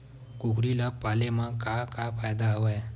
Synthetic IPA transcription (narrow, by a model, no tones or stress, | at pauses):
kukɾilapalemãkakafʰajd̪aɦʋaj